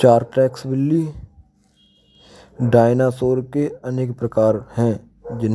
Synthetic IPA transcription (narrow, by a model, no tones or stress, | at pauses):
t͡ʃaːɾʈɛːksbɪlːi | ɖaːɪnasoːɾkeəneːkpɾəkaːɾhɛ̃ː | d͡ʒɪn